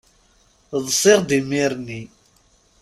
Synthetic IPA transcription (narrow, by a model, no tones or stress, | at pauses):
ðˤsˤɪʁd̪imiɾni